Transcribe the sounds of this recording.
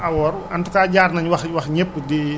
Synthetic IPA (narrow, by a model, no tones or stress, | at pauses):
awɔrant̪ukad͡ʒarnaɲwakwakɲəp̚di